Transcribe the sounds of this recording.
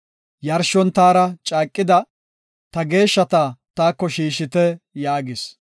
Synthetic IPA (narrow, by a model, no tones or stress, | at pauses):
jɐɾʃɔnt̪aːɾɐt͡ʃʼaːkʼːɪd̪ɐ | t̪ɐɡe̞ːʃːɐt̪at̪aːkːɔʃiːʃɪt̪ɛjaːɡɪs